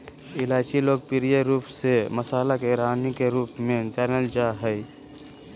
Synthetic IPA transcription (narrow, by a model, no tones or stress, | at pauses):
ɪlaːt͡ʃiloːɡ̚pɪɾijeɾuːpseməsaːlakeɾaːnikeɾuːpmẽʈɛːɾnəld͡ʒaɦɛi